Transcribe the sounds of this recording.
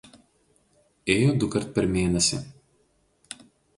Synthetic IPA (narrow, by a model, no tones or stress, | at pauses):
eːjoːd̪ʊkɐɾt̪̚pʲɛɾmʲeːnʲɛsʲɪ̰